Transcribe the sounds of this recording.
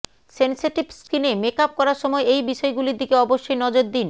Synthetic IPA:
senseʈibskinemekap̚kɔɾaɾʃɔmɔeejbiʃɔeɡuliɾd̪ikeɔboʃːojnɔd͡ʑoɾd̪in

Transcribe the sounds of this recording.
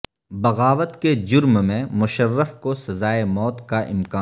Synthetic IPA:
bɐɣaːʋət̪ked͡ʒʊɾmmẽmʊʃərːəfkosɐzaːemɔːt̪kaʔɪ̰mkaː

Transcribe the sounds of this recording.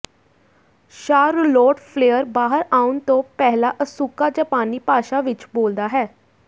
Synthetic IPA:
ʃaːɾloːʈpʰleːəɾbaːɦəɾaːʊnt̪õːpɛːɦlaːʔəsuːkaːd͡ʒəpaːniːpaːʃaːʋɪt͡ʃboːld̪aːɦɛː

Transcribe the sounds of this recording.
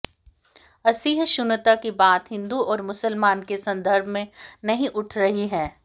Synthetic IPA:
ɐsiːɦʃʊnət̪akibaːt̪ɦɪ̃nd̪uɔːɾmʊsəlmaːnkesɐ̃nd̪əɾbʱmẽnɐɦĩʔʊʈʰɾɐɦiɦɛ̃ː

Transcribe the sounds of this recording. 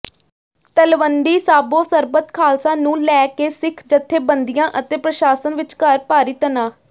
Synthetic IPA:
t̪əlʋənd̪iːsaːboːsəɾbət̪kʰaːlsãːnũːlɛːkeːsɪkʰd͡ʒət̪ʰːeːbənd̪ijãːʔət̪eːpɾəʃaːsənʋɪt͡ʃkəɾpaːɾiːt̪ənãː

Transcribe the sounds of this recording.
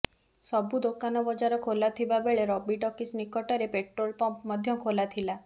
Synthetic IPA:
sɔbud̪okanɔbɔd͡ʒaɾɔkʰolat̪ʰibabeɭeɾɔbiʈɔkisnikɔʈɔɾepeʈɾolpɔmpmɔd̪ʱjɔkʰolat̪ʰila

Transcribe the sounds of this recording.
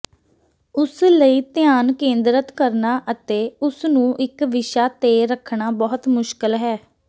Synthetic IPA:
ʊsləiːt̪ɪjaːnkẽːnd̪ɾət̪kəɾnaːʔət̪eːʊsnũːʔɪkʋɪʃaːt̪eːɾəkʰɳaːbɔːɦt̪mʊʃkəlɦɛː

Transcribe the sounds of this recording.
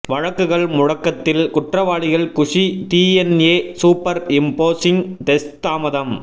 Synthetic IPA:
ʋɐɻɐkːɯɣɐɭmʊɻɐkːɐt̪ːɪlkʊʈrɐʋaːɭɪɣɐɭkʊʂit̪iːɛneːsuːpːɐɾɪmpoːsɪŋt̪ɛst̪aːmɐðɐm

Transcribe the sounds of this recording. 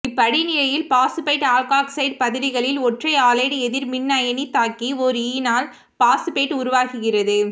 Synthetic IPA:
ɪpːɐɽinɪlɐjɪlpaːsɯpɐɪʈaːlkaːksɐɪɖ̚pɐðɪɾɪɣɐɭɪlɔʈrɐɪaːlɐːɽɯɛðɪɾmɪnːɐjɐnit̪ːaːkiɔɾɯiːnaːl | paːsɯpeɪʈːʊɾʊʋaːɣɯɣɪrɐðɯ

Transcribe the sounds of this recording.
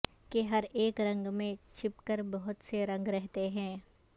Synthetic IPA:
keɦɐɾeːkɾɐ̃ŋɡmẽt͡ʃʰɪpkəɾbɐɦʊt̪seɾɐ̃ŋɡɾɛɦt̪eɦɛ̃ː

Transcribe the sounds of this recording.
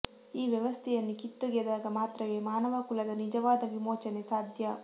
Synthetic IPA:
iːʋjɐʋɐst̪ʰɛjɐnːikit̪ːuɡɛd̪aːɡɐmaːt̪ɾɐʋeːmaːnɐʋɐkulɐd̪ɐnid͡ʒɐʋaːd̪ɐʋimoːt͡ʃɐnesaːd̪ʱjɐ

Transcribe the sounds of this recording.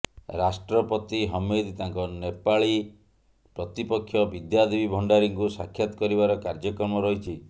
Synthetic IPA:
ɾasʈɾɔpɔt̪iɦɔmed̪t̪aŋkɔnepaɭi | pɾɔt̪ipɔkʰːjɔbid̪jad̪ibibʱɔɳɖaɾiŋkusakʰjat̪ɔ̥kɔɾiβaɾɔkaɾd͡ʒɔkɔɾmɔɾɔɦit͡ʃʰi

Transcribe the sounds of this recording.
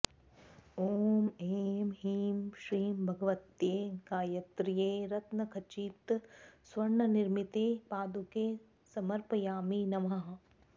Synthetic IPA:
oːmeːmɦiːmʃɾiːmbʱɐɡɐʋɐt̪jeːɡaːjɐt̪ɾijeːɾɐt̪nɐkʰɐt͡ʃiːt̪sʋɐɾɳɐniɾmit̪eːpaːd̪ukeː | sɐmɐɾpɐjaːminɐʋɐɦ

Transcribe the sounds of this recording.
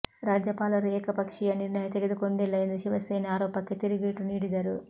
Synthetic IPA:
ɾaːd͡ʒɐpaːlɐɾuɛːkɐpɐkʂijɐniɾnɐjɐt̪eɡɐd̪ikoɳɖelːɐjɐnd̪uʃiʋɐsɐjnɐaːɾɔːpɐket̪iɾiɡiːʈuniːɽid̪ɐɾu

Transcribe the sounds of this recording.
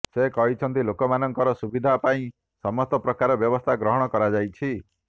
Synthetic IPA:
sekɔɦit͡ʃʰɔnt̪ilokɔmanɔŋkɔɾɔsubid̪ʱapaĩ | sɔmɔst̪ɔpɾɔkaɾɔbjɔbɔst̪ʰaɡɾɔɦɔɽ̃ɔkɔɾad͡ʒajt͡ʃʰi

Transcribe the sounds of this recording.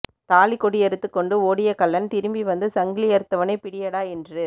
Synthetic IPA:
t̪aːlɪkːɔɽɪɛɾɯt̪ːɯkːɔɳɖɯoːɽɪjɐkɐlːɐnt̪ɪɾɯmbiʋɐnd̪ɯsɐŋɡɪlɪjɐɾɯt̪ːɐʋɐnɐɪpɪɽɪjɐɽaːɛndrɯ

